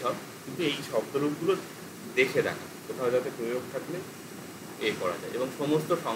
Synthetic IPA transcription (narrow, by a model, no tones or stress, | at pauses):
ɔk | kint̪uejʃɔb̚d̪oɾubɡulo | d̪ekʰed̪a̰kʰa̰ | kot̪ʰaod͡ʑat̪epɾojoɡ̚t̪ʰakle | ekɔɾa̰d͡ʑaeeboŋʃɔmost̪oʃɔ